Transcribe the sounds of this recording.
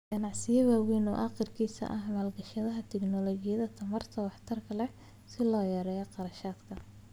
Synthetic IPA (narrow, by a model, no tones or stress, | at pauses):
ɡ̥ɐnɑʕsɪjɐwaːwiːnɔ̰ːʔɑːqɪrkʰiːsɐ̰ʔɐɦmaːlɡɐʃɐðɐɦɐt̪ʰɛɡnɔlɔːɡɪjɐðɐt̪ʰɐmɐrt̪ʰɐwɑħt̪ʰɐrkʰɐlɛ | sɪlɔːjɛɾɛːjɐqɑɾɐʃaːd̪kʰɐ